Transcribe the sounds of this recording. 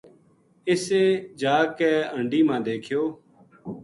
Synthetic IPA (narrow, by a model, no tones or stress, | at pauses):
ɪseːd͡ʒaːkɛːəɳɖiːmãːd̪eːkʰjoː